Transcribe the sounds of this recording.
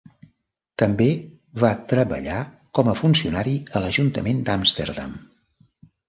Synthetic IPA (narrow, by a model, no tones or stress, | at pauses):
t̪əmbe | βat̪ɾəβə̰ʎa | kɔməfunsiunaɾiələʒunt̪əmend̪amst̪ə̰rða̰m